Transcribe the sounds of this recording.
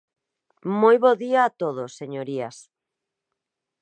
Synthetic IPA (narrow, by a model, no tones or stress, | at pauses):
mojβoðiaːt̪oð̞osːeɲoɾias